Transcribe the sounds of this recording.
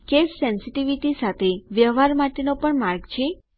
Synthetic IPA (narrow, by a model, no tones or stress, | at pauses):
kesːɛnsiʈiʋiʈisat̪ʰeʋjəʋaɾmaʈenopəɳmaɾɡt͡ʃʰe